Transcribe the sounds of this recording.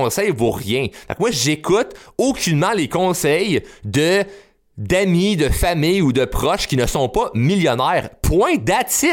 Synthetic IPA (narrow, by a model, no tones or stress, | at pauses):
ɔ̃sɛjvoʁjɛ̃d̪̥ɔ̰̃kmwaʒekut̪okʲynmɑ̃lekɔ̃sɛjd̪ə | d̪amid̪əfamijud̪əpχɔʃkʲinəsɔ̃pʌmiljɔnɛːʁpʰwɛ̃d̪at͡sɪ